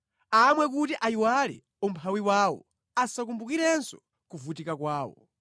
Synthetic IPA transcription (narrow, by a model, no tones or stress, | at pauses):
amwɛk̬utiʔaiwalɛ̰ | ɔmpʰawiwaːwɔ̰ | asakumbukiɾɛnsɔ̥ | kuvutikakwaːwɔ̰